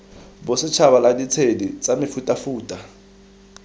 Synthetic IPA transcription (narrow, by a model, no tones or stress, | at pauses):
bʊsɪt͡ʃʰaβaladit͡sʰedit͡sʼamɪfutʼafuːtʼa